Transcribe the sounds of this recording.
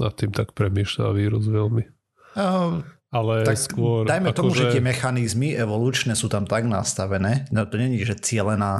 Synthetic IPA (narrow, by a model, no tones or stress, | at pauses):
nat̪ːiːmt̪ak̚pɾɛmiːʃla̰ʋiːɾuzʋɛlmi | alɛt̪akskʊɔɾdajmɛt̪ɔmuʒɛt̪ɪɛmɛxanizmiʔɛʋɔluːt͡ʃnɛsuːt̪amt̪aɡna̰st̪aʋɛnɛːnɛt̪ɔɲɛɲiʒɛt͡sɪɛlɛnaː